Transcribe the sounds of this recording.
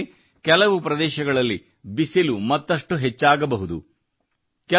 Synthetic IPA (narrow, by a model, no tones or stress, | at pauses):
kɛlɐʋupɾɐd̪ɛːʃɐɡɐɭɐlːi | bisilumɐt̪ːɐʂʈuɦet͡ʃːaːɡɐbɐɦud̪ṵ | kɛ